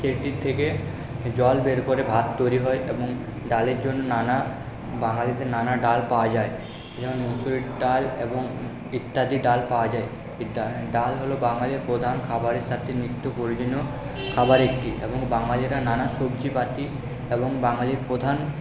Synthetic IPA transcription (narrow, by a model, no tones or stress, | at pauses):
seɾʈiɾt̪ʰːeke | d͡ʑɔlbeɾkoɾebʱat̪ːojɾiɦɔeʔeboŋ | ɖaleɾd͡ʑonːonana | baŋalit̪enanaɖalpaoad͡ʑae | ed͡ʑɔkonmusuliɖalḛboŋ | it̪ːad̪iɖalpaad͡ʑae | iaɖalɦolobaŋaliɾpɾod̪ʱankʰabaɾeɾʃat̪ʰːemɾit̪ːopoɾid͡ʑonːo | kʰabaɾekʈiʔḛboŋbaŋaliɾananaʃobd͡ʑipat̪i | eboŋbaŋaliɾpɾod̪ʱan